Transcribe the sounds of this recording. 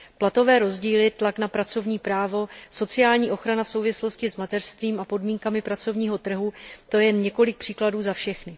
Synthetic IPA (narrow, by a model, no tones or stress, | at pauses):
plat̪o̞vɛːɾo̞zɟiːlɪt̪laknapɾat͡sovɲiːpɾaːvo̞so̞t͡sɪjaːlɲiːʔo̞xɾanafso̞wvɪslo̞scɪzmat̪ɛrst̪viːmapo̞dmiːŋkamɪpɾat͡so̞vɲiːɦo̞t̪r̩ɦut̪o̞jɛnɲɛko̞lɪk̚pr̥iːkladuːzafʃɛxnɪ